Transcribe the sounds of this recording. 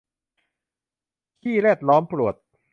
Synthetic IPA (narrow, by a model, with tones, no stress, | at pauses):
t̪ʰiː˥˩ɾɛː˥˩t̪̚lɔː˦˥mpɾu˨˩ət̪̚